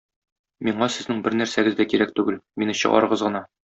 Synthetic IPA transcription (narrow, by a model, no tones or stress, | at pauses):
miɴɑsɘ̆znɘŋbɘɾnæɾsæɡɘzd̪ækiɾækt̪ʉɡɘlminɘɕɤ̰̆ʁɑ̰ɾɤ̆ʁɤzʁɤ̆nɑ